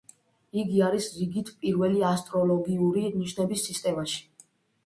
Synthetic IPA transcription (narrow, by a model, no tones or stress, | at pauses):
iɡiaɾisɾiɡit̪ʰpʼiɾvɛliast̪ʼɾɔlɔɡiuɾiniʃnɛbisːist̪ʼɛmaʃi̥